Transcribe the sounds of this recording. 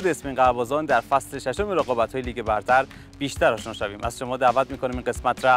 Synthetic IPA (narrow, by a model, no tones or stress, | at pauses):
d̪eːsmeinɢæbɒːzɒːnd̪æɾfæsle̞ʃeʃomeɾeɣɒːbæt̪hɒːjeliːɡe̞bæɾt̪ʰæɾ | b̥iːʃt̪ʰæɾɒːʃnɒːʃæviːmʔæz̥ʃo̞mɒːd̪æːvæt̪miːko̞nimiːnɡe̞smæt̪ʰɾæ